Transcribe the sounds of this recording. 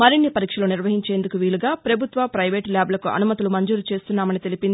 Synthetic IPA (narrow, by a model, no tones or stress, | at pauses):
mɐɾinːipɐɾiːkʂɐlo̞ːniɾʋɐɦiɲt͡ʃe̞ːnd̪ukuʋiːɭuɡaːpɾɐbʱut̪ʋɐpɾɐjʋeːʈljaːblɐkuʔɐ̰numɐt̪ilumɐɲd͡ʒuːɾlut͡ʃe̞ːst̪unːaːmɐnit̪e̞lipind̪i